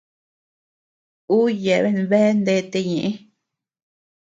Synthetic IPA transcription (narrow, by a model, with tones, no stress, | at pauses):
u˦je˨βe˦n˨βe˦nd̪e˧˦t̪e˧ɲẽ˨ʔẽ˦